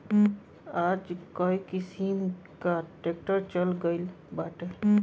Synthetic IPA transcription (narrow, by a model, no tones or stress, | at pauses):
ad͡ʒkɔjkisim | kaʈek̚ʈəɾt͡ʃəlɡəɪl | baʈe